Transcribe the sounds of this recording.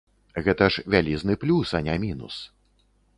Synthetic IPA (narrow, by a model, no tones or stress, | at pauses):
ɣɛt̪ɐʂvʲalʲiznɨplʲusɐnʲɛmʲinṵs